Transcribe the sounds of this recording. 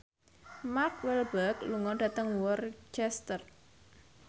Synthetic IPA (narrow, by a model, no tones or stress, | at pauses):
mark̚wɛlbəkluŋɔɖ̥ä̤t̪əŋwɔrt͡ʃɛst̪ər